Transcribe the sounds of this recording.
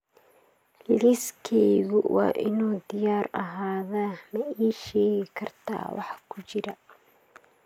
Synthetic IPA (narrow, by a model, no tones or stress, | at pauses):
lɪskʰɛjɣʊwʔɑ̰ːʔɪnuːd̪ɪjaːrɐɦaːðaːmɐiːʃɛːɣɪkʰɐrt̪ʰa̰ːwʔɑ̰ħɑkʰʊt͡ʃɪɾɐ